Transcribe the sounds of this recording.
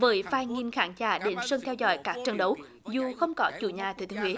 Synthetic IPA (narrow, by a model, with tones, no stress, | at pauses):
vəː˨˦jfaː˧˩jŋi˧nxaː˧˦ŋt͡ɕaː˧˩ɗe˨˦nsə˧nt̪ʰɛ˧wzɔ̰˧˨jkaː˦˥k̚t͡ɕə˧˩nɗə˨˦w | zu˨˩xə˧wŋ͡mkɔ˨˦t͡ɕṵ˧˩ɲaː˨˩t̪ʰɨ˧˩t̪ɨ˨˦ŋwḭ˧˦